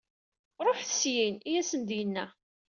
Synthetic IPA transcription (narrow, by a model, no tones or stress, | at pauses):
ɾˤoħθə̥sjinijæsənd̪jənːæ